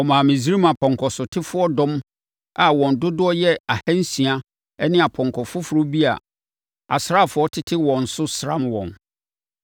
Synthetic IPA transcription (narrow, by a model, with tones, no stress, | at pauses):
ɔ˨mã˨mĩ˨s̬i˦ɾi˦mã˨pʰɔ̃˨ŋkʰɔ˨sʊ˨tʰɪ˦fʊ˦ɔ˦dʊ̃˦m | a˨wɔ̃˨ndʊ˦dʊ˦ɔ˦jɛ˦a˨hɛ̃˦n̩˦sĩ˨a˦ | ɛ˦nɪ̃˦˨a˨pʰɔ̃˨ŋkʰɔ˨fʊ˦fʊ˨ɾʊ˦bi˦a̰˨ | a˨sɾa˦˨fʊ˦ɔ˦tʰɪ˦tʰɪ˦wɔ̃˨n̩˨sʊ˦sɾã˦mwɔ̰̃˨n